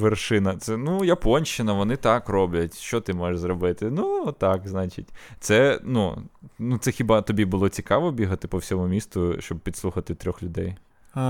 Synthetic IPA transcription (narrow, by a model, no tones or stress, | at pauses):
ʋerʃɪnɐt̪sɛnujɐpɔnʲʃt͡ʃɪnɐʋɔnɪt̪ɑkrɔblʲɐtʲʃt͡ʃɔt̪ɪmɔjeʃzɾɔbɪt̪ɪnut̪ɑkznɑt͡ʃɪ̰tʲt̪sɛnṵnut̪sɛxʲibɑt̪ɔbʲibʊlˠɔt͡sʲikɑʋɔbʲiɦɐt̪ɪpɔwsʲɔmʊmʲist̪ʊʃt͡ʃɔb̚pʲid̪sˠuxɐt̪ɪt̪ɾʲɔxlʲʊd̪ɛj